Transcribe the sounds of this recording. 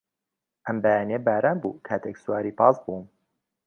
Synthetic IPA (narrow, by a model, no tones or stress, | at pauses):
ʔɐmbajaːnebaːɾaːnbṵːkʰaːt̪ʰeksuwaːɾiːpɑːzbuːm